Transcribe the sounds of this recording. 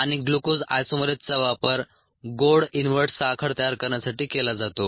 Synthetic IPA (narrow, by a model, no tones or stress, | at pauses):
aɽ̃iɡlukod͡za̰jsomɾet̪t͡saʋapəɾ | ɡoɽinʋəɾʈsakʰəɽt̪əjaɾkəɾɳjasaʈiːkelad͡zat̪o